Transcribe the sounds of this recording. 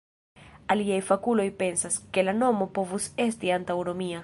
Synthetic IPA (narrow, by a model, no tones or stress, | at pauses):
aliajfakulo̞jpe̞nsaske̞lano̞mo̞po̞vuse̞stiantawno̞mia